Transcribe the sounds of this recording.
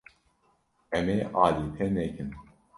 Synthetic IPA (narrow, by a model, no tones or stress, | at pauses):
ɛmeːʔɑːliːt̪ʰɛnɛkʰɨn